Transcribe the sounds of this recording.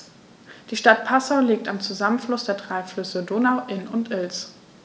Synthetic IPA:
d̥iːʃtat̚pʰasaʊliːk̚tamt͡suzamənflʊsd̥eːɐdʁaɪflʏsədoːnaʊʔɪnʊntʔɪls

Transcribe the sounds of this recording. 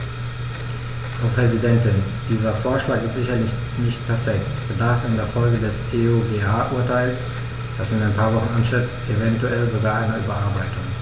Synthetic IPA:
fʁ̥ɑʊpʁ̥ɛzidɛntɪn | d̥iːzɐfoːɐʃlaːkɪstz̥ɪçɐlɪç | nɪçtpʰɛɐfɛk̚tb̥ədaʁfɪndeːɐfɔlɡədɛseoɡeaːʔuːɐtʰaɪls | d̥asɪnaɪnpʰaːɐvɔχn̩ʔanʃɪttevɛntuɛlzoɡaːɐʔaɪnɐyːbɐʔaɐbaɪtʊŋ

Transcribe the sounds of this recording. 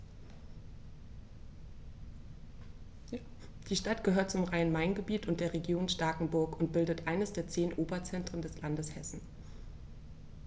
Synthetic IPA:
d̥iːʃtatɡ̥əɦøːɐt̚t͡sʊmʁaɪənmaɪnɡəbiːtʊntd̥eːɐʁeɡjoːnʃtaːkŋ̩bʊɐkʊnt̚b̥ɪldətʔaɪnəsd̥eːɐt͡seːnʔoːbɐt͡sɛntʁ̥əndɛslandəshɛsn̩

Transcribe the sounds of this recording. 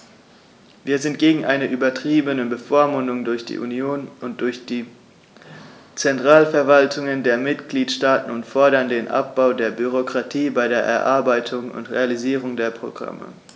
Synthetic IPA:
viːɐzɪnt̚ɡ̥eːɡŋ̩ʔaɪnəʔyːbɐtʁ̥iːbənəbəfoːɐmʊndʊŋdʊɐçd̥ḭːʔṵnjoːnʔʊnt̚d̥ʊɐçd̥iː | t͡sɛntʁ̥aːlfɛɐvaltʰʊŋəndeːɐmɪtɡ̥liːtʃtaːtn̩ʊntfɔɐɾɐndeːnʔa̰p̚b̥aʊdeːɐbyʁ̞okʁ̥atʰiːbaɪɾeːɐʔɛ̰ɐʔaɐbaɪtʰʊŋʊ̰ntʁḛaliziːʁʊŋdeːɐpʁ̥o̰ɡ̥ʁa̰mə̰

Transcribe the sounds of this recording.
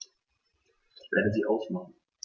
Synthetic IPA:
ɪçv̥ḛːɐdəziːʔaʊsmaχn̩

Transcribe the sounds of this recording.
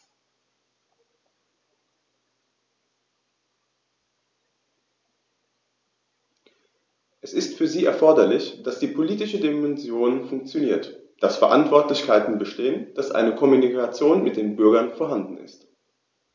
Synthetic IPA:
ʔɛsɪstfyːɐziːɛ̰ɐfɔɐdɐlɪçd̥asd̥iːpʰoliːtɪʃədimɛnzjoːnfʊŋk̚t͡sjoniːɐtd̥asfɛɐʔa̰ntv̥ɔɐtlɪçkaɪtn̩bəʃteːənd̥asʔa̰ɪnəkʰɔmunikat͡sjoːnmɪt̚d̥eːnbʏɐɡɐnfɔɐɦandn̩ɪ̰st

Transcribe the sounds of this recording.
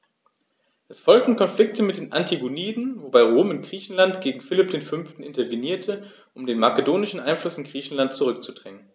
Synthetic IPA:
ʔɛsfɔlk̚tn̩kʰɔnflɪk̚tʰəmɪt̚d̥eːnʔantʰiɡoniːdn̩vobaɪʁoːmɪnɡ̥ʁiːçn̩lantɡ̥eːɡŋ̩fɪlɪp̚d̥eːnfʏnftn̩ɪntɐveniːɐtʰə | ʔʊmdeːnmakədoːnɪʃn̩ʔaɪnflʊsɪnɡʁiːçn̩lantt͡suʁ̞ʏk̚t͡sud̥ʁɛŋən

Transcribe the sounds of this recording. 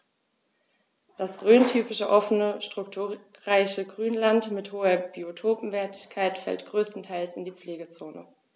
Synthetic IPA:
d̥asʁøːntʰyːpɪʃəʔɔfənəʃtʁ̥ʊk̚tʰuːʁaɪçəɡʁyːnlantmɪthoːɐb̥iotʰoːpm̩vɛɐtʰɪ̥çkʰaɪtfɛ̰ltɡ̥ʁøːstn̩tʰaɪlsɪndiːp͡fleːɡət͡soːnə̰

